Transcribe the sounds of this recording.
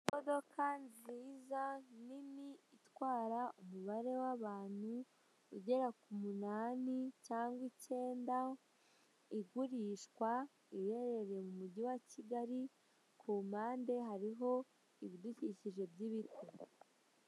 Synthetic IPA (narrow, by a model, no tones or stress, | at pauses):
modo̞kʰanziːzaniniitwaːɾaumuβaɾe̞waβaːn̥huː | ɟe̞ɾakumunaːnicaːŋɡwice̞ːnda | iɡuɾiːʃkwa | ije̞ɾe̞ɾe̞mumuɟiwaciɡaɾi | kʰuːmaːnde̞ɦaɾiɦo̞ | iβiduciciʒe̞bjiβitʰo